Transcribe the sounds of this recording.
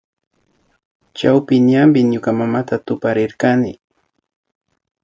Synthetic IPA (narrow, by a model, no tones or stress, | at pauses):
t͡ʃawpɪnambɪɲʊkamamat̪at̪ʊpaɾɪɾkanɪ̰